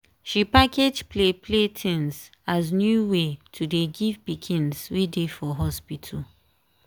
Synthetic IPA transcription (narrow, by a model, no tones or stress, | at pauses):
ʃipakʰed͡ʒplepʰletʰĩns | aznjuwetʰudeɡivbikʰĩnswedefɔɦɔspitʰu